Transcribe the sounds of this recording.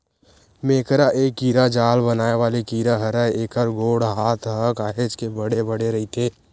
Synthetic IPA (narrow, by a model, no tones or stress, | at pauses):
meːkɾaʔeːkːiːɾad͡ʒaːlbənaːeʋaːlekiːɾaɦɐɾəeːkəɾɡoːɽɦaːt̪ʰɦəkaːɦed͡ʒkebəɽebəɽeɾɐɦit̪ʰeː